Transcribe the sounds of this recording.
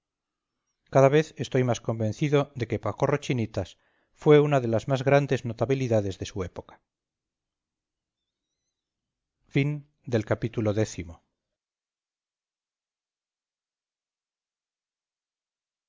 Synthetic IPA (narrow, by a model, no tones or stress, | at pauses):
kaðaβ̞e̞θe̞st̪o̞jmasko̞mbe̞nθiðo̞ðe̞ke̞pako̞ro̞t͡ʃinit̪as | fwe̞unaðe̞lazmazɣɾand̪e̞znot̪aβiliðaðe̞zðe̞sue̞po̞kḁ | fin | d̪e̞lkapit̪ulo̞ðe̞θimo̞